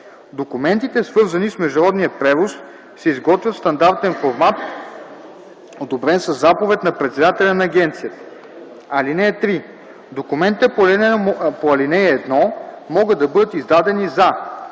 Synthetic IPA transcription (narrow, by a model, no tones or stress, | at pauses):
d̪okumɛnt̪it̪ɛsvɤɾzɐnismɛʒd̪ɐɾɔd̪nijət̪̚pɾɛvos | sɛizɡɔt̪vʲjət̪st̪ɐnd̪aɾt̪ɛnfoɾmat̪ | od̪obɾɛnsəzːapovɛt̪nɐpɾɛt̪sɛd̪at̪ɛlʲɐnɐːɡʲɛnt̪sijət̪ə̥ | ɐlinɛːt̪ɾi | d̪okumɛnt̪it̪ɛpolɛpoɐlinɛjɛːd̪nɔ | mɔɡɤd̪ɐbɤd̪ət̪izd̪ad̪ɛniza